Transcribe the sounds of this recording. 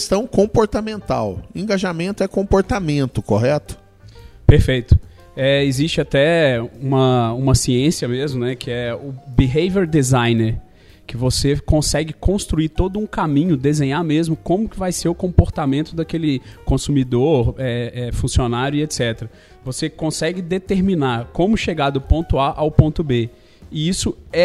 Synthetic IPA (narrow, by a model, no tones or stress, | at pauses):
st̪ɐ̃w̃kõpoɾt̪amẽnt̪a̰wẽŋɡaʒamẽnt̪ʊɛkõmpoɾt̪amẽnt̪ʊkoɦɛt̪ʊ̥ | peɾfejt̪ʊ̥ | ɛɪzist͡ʃɪat̪ɛũmɐũmɐsiẽsiɐmezmʊnɛkʰɪɛʊbiɦejveɾd̪ezajneɾ | kɪvosekõsɛɡɪkõst̪ɾuit̪od̪ʊũkamĩɲʊd̪ezẽɲamezmʊkõmʊkɪvajseɾʊkõmpoɾt̪amẽnt̪ʊd̪ɐkelɪkõsumid̪oɾɛɛfũsionaɾjʊiet̪sɛt̪eɾɐ | vosekõsɛɡɪd̪et̪eɾminakõmʊʃeɡad̪ʊpõnt̪ʊaʔawpõnt̪ʊbe | ɪisʊɛ